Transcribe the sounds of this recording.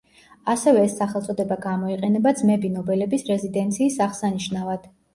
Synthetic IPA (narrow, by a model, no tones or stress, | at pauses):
asɛvɛːsːaχɛlˠt̪sʼɔd̪ɛbaɡamɔiqʼɛnɛbad̪zmɛbinɔbɛlɛbisɾɛzid̪ɛnt̪sʰiːsaʁsaniʃnavad̪̥